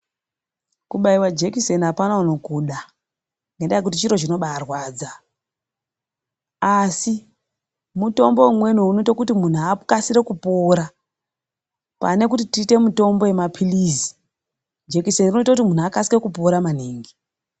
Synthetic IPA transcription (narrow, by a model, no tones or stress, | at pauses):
kuɓaiwad͡ʒe̞kisenapanauno̞kuɗa | ŋɡendajekutit͡ʃiɾo̞t͡ʃino̞ɓaːrwaːd͡za | asi | muto̞mbo̞umwe̞nuunoitakutimun̤uakasiɾe̞kupo̞ːɾa | pa̰ne̞kutitiːte̞muto̞mbo̞je̞mapʰilizi̥ | d͡ʒekisenrinoitakutimun̤uakasike̞kupo̞ɾaman̤eːŋɡi